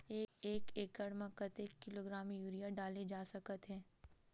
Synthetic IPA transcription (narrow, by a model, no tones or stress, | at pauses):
eːeːkeːkəɽmɐkət̪eːkːɪloːɡɾaːmjuːɾijaɖaːled͡ʒaːsɐkət̪ɦɛ̃ː